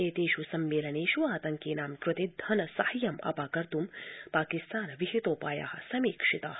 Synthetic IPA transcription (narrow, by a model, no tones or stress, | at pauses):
eːt̪eːʃusɐmːeːlɐneːʃuaːt̪ɐŋkeːnaːmkɾʊt̪id̪ʱɐnɐsɐhɐjɐmɐ̰paːkɐɾt̪umpaːkist̪aːnɐʋiɦit̪oːpaːja̰ːhɐsɐmiːkʂit̪a̰ː